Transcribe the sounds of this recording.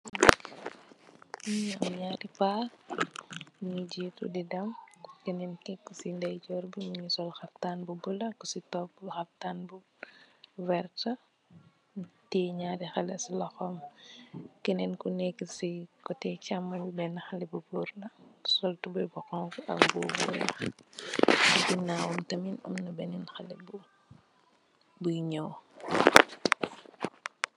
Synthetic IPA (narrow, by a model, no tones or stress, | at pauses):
ɲamɲaːdipa | ɲuɟiːtṵdidɐmkɛnɛnkɛkːsindɐjɟɔːɾbimuɲusɔlxɐftaːnbubulɐkusitɔp̚ːxɐftanbu | vɛrtɐ | tiːɲadixɐlɛslɐxɔm | kɛnɛnkunɛkːisikɔtɛcamːɐbibɛnːɐxɐlɛbubuɾnɐsɔltubujbɔxɔŋfuɐ̰kbuːbṵlɐ̰ | bibinaːwɔmtɐminɔ̰mnɐbɛninxɐlɛb | bujɲɔw